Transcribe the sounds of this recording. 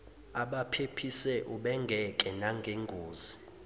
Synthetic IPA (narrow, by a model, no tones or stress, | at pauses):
aɓapʰepʰisɛʔuɓɛŋɡʱɛkʼɛnaŋɡʱeŋɡʱoːzi